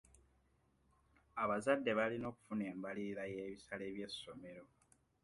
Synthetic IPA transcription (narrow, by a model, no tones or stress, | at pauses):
aβazadːe̞βalino̞ːku̥fune̞ːmbaliiɾajeːβisale̞ːβje̞sːo̞me̞ɾo̞